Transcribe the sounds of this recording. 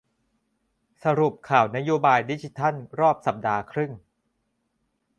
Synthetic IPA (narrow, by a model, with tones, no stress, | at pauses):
sa˧ɾu˨˩p̚kʰaː˨˩wna˦˥joː˧baː˧jdi˦˥t͡ɕʰi˦t̪ʰa˥˩nɾɔː˥˩p̚sa˨˩p̚daː˧kʰɾɯ˥˩ŋ